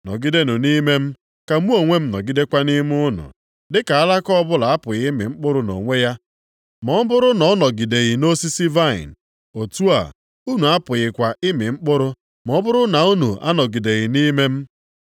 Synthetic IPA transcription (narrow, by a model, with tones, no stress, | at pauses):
nɔ̰˨ɡi˦de˦nʊ˨ni˦me˦m̩˦ | ka˨mu˦o˨ŋʷe˦m̩˦nɔ̰˨ɡi˦de˦kʷa˦ni˦m˦ʊ˦nʊ̰˨ | dɪ˦ka˨a˦la˦kɔ˦bʊ˦la˨a˦pʊ˨ɣɪ˦mɪ̰˨ŋ͡m̩˦k͡pʊ˦ɾʊ˦no̰˨ŋʷe˦ja˦ | mɔ˨˦bʊ˦ɾʊ˦nɔ˨˦ɔ˦nɔ˨ɡi˨de˨ɣi˨no˦si˦si˦va˦˨ɪ̰˨n̩˨ | o˨tu˦a̰˨ | u˦nu˨a˦pʊ˨ɣɪ˨kʷa˨ʔɪ˦mɪ˨ŋ͡m̩˦k͡pʊ˦ɾʊ˦ | mɔ˦bʊ˦ɾʊ˦na˨u˦nu˨ʔa˦nɔ˨ɡi˨de˨ɣɪ˨ni˦me˦m̩˦